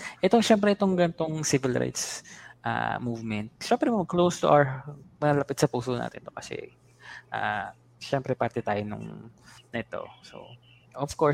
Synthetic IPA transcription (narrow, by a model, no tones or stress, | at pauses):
ʔɛt̪oʃɛmpɾɛʔɪt̪o̞ŋɡɐnt̪oŋsɪvɪlɾa̰jt̪sʔa̰muvmɛnt̪̚ʃɛmpɾɛmɐɡklowst̪ʊʔa̰wmɐɐlɐpɪt̪sɐpuːsona̰ːt̪ɪ̰nt̪okɐsɛ̰ | ʔa̰ | ʃɛmpɾɛpaɾt̪ɛt̪aːjonʊ̰ŋnɐʔɛt̪o̞̰so̰ | ʔɔfkoɹ